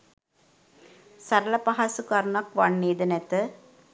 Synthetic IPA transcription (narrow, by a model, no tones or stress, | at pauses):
saɾəlɐpaɦasukaɾnakʋanːeːd̪ənɛt̪ə